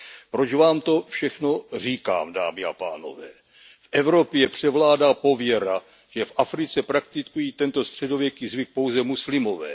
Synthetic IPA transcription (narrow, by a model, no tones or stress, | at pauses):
pɾot͡ʃvaːmt̪o̞fʃɛxno̞r̝iːka̰ːmda̰ːmɪa̰pa̰ːno̞̰vɛ̰ː | fʔɛvɾo̞pjɛpr̝̥ɛvlaːdaːpo̞vjɛɾa | ʒ̥ɛfʔafɾɪt͡sɛpɾak̚t̪ɪkujiːt̪ɛnt̪o̞st̪r̝̥ɛdo̞vjɛkiːzvɪk̚po̞wzɛmuslɪmo̞vɛ̰ː